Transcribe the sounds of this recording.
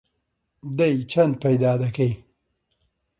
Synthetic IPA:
d̪ɐjt͡ʃʰɐnd̪̚pɐjd̪aːd̪ɐkej

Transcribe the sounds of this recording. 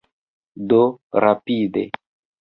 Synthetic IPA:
doɾapidḛ

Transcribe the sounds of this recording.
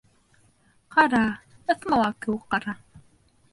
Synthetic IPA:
qɑɾɑ | ɤ̆θmɑlˠɑkɘwɘk̚qːɑɾɑ

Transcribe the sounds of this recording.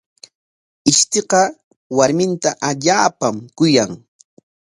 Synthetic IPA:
ɪʃt̪eqɑ | waɾmɪnt̪aʔaʎaːpamkʊjaŋ

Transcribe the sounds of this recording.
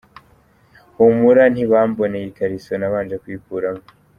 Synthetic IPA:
umuɾan̥hiβaːmbonejikaɾisonaβaːnd͡ʒekwiːkuːɾamo

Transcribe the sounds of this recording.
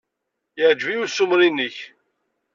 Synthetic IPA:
jəʕd͡ʒviusʊmɾinːəç

